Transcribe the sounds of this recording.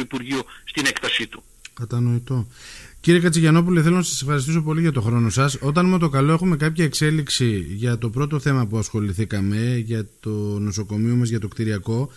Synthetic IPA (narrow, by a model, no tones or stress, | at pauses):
ipuɾʝiost̪inekt̪ɐsit̪u̥ | kɐt̪ɐno̞it̪o̞ciɾiekɐt͡siʝɐno̞puliθelo̞nɐsɐsefxɐɾist̪isopo̞liʝɐt̪o̞xɾo̞no̞sɐso̞t̪ɐnmot̪o̞kɐlo̞exume̞kɐpçɐekse̞liksiʝɐt̪o̞pɾo̞t̪o̞θe̞mɐpuɐsxo̞liθikɐme̞ʝɐt̪ono̞so̞ko̞mio̞mɐzʝɐt̪o̞kt̪iɾiɐko̞